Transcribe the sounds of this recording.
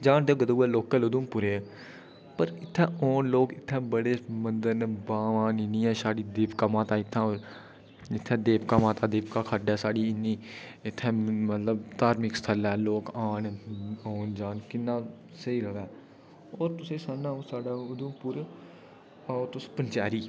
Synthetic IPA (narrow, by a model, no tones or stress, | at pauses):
d͡ʒaːnd̪eːɡəd̪uːɛːloːkːəlʊd̪umpʊɾe | pəɾɪt̪ʰːɛ̃ːʔɔːnloːkɪt̪ʰːɛ̃ːbəɽeːmənd̪əɾnːbaːʋaːnɪnĩːɛːʃaːɽiːd̪eːpkaːmãːt̪ãːɪt̪ʰːãːoːɾ | ɪt̪ʰːɛ̃ːd̪eːpkaːmãːt̪ãːd̪eːpkaːkʰəɖɛːsaːɖiːɪnːiːɪt̪ʰːɛ̃ːmət̪ləbt̪aːɾmɪkst̪ʰəlɛːloːkaːnoːnd͡ʒaːnkɪnːãː | səiːɾəʋɛː | oːɾt̪ʊsẽːsanːãːõsaːɖaːʊd̪ʊmpʊɾ | at̪ʊspənt͡ʃaːɾiː